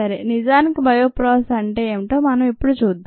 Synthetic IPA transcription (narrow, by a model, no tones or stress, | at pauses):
ɐɾḛːnid͡ʒaːnikibʱɐjoːpɾoːsɐɳʈeːeːmiʈoːmɐnɐmipːuɽut͡ʃuːd̪ː